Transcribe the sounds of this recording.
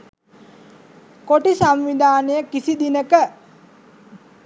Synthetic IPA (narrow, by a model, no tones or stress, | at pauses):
koʈisamʋid̪ʱaːnəjəkisid̪inəkə